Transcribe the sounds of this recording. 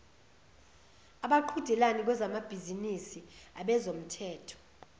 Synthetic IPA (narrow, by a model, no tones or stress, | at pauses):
aɓaǃʰud̥ʱɛlanik̬wɛzamab̥ʱizinisiaɓɛzom̩tʰɛːtʰɔ̥